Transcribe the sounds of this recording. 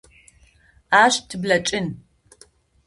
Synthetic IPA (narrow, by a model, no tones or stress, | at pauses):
aːɕtʰɨblɐt͡ʃʼɪn